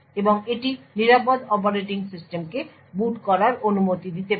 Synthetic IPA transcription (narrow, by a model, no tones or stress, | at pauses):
eboŋeʈiniɾapod̪ɔp̬oɾeʈiŋsisʈemke | buʈkɔɾaɾonumot̪id̪it̪e